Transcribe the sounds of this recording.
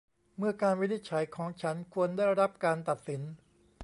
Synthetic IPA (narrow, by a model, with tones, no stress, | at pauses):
mɯ˥˩ɐkaː˧nwi˦˥ni˦˥t̪̚t͡ɕʰa˩˦jkʰɔː˩˦ŋt͡ɕʰa˦˥nkʰu˧əndaː˥˩jɾa˦˥p̚kaː˧nt̪a˨˩t̪̚si˩˦n